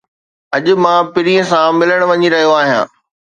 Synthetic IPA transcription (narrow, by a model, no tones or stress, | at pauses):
ɐʄʊ̆mãːpɪɾiə̃sãmɪləɽ̃ʋɐɲiɾɐɦijoaːɦijã̰ː